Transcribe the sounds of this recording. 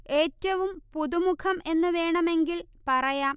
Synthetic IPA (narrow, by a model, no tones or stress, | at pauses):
e̞ːtːɐʋumpuðumukʰɐme̞nːɨʋe̞ːɳɐme̞ŋɡil | pɐrɐjaːm